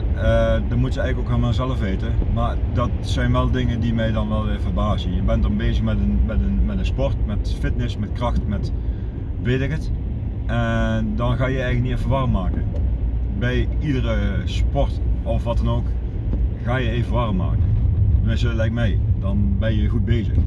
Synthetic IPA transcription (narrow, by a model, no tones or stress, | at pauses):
ədɑnmutjəɛjɣləkowkamalˠzɛləfʋejtəmaːɹdɑtsɛjnʋɛlˠdɪŋəndimɛjdɑnʋɛlˠʋɪːɹvərbaːzənjəbɛndɑnbeːzəxmɛdənmɛtənmɛtənspɔrtmɛtfɪtnɪsmɛt̚krɑxtmɛt | ʋetɪkət | ʔɛndɑnɣaːjəɛjələkniɪfəʋɑrəmːaːkə | bɛjidərəspɔrtɔfʋɑtɑnoːk | ɣaːjəeːvəʋɑrəmːa̰ːkənʋɪsəlɛjk̚mɛjdɑnbɛnjəɣud̚beːjzə̰x